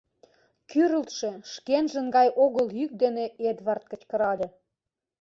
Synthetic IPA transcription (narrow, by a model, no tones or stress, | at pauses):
kyɾə̆lt̪ʃeʃkenʒə̆nɡɑjʔoɣəljyk̚d̪eneed̪βɑrt̪̚kə̆t͡ɕkə̆ɾɑlʲĕ